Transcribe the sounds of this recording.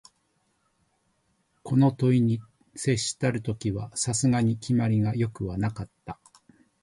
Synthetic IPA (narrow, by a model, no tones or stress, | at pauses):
ko̞no̞t̪o̞iɲ̟i | se̞ɕːi̥t̪aɾɯ̟t̪o̞kʲiβasasɨŋaɲ̟ikʲimaɾʲiɡajo̞kɯ̟βanakat̪ːa